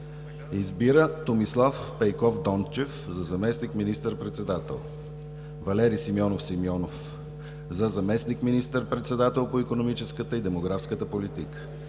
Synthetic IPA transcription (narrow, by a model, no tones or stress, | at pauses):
izbiɾət̪omislˠafpɛjkɔfd̪ɔnt͡ʃɛfzɐzɐmɛsnikminist̪əɾpɾɛt̪sɛd̪at̪ɛ̰lˠ | vɐlɛɾisimiɔnofsimjɔnof | zɐzɐmɛsnikminist̪əɾpɾɛt̪sɛd̪at̪ɛlˠpoikonomit͡ʃɛskət̪əid̪ɛmoɡɾafskət̪əpolit̪ikə̥